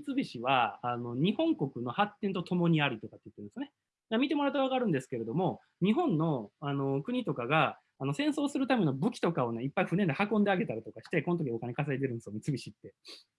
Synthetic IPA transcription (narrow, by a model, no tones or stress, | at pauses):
mʲit͡sɨbʲiɕiβaano̞ɲ̟ihõ̞ŋko̞kɯ̟no̞hat̪ːẽ̞nt̪o̞t̪o̞mo̞ɲ̟iaɾʲit̪o̞kat̪ːeit̪ːɯ̃nsjone | mamʲit̪e̞mo̞ɾat̪ːaβaɡaɾɯ̟nd̪e̞sɨ̥ke̞ɾe̞d̪o̞mo̞ | ɲ̟iɦõ̞nːo̞ano̞kɯ̟ɲ̟it̪o̞kaɡa | ano̞sẽ̞ɰ̃so̞ːsɨɾɯ̟t̪ame̞no̞bɯ̟kʲi̥t̪o̞kao̞neipːaiɸɯ̟ne̞nd̪ehakõnd̪e̞aɡe̞t̪aɾit̪o̞kaɕi̥t̪e̞ko̞not̪okʲiokanekaseet̪̬eɾɯ̟nd̪esjomʲit͡sɨbʲiɕit̪ːe̞